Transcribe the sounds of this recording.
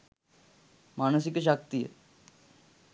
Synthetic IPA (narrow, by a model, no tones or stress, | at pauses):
maːñəs̬ikʃ̬ak̚t̪iḛ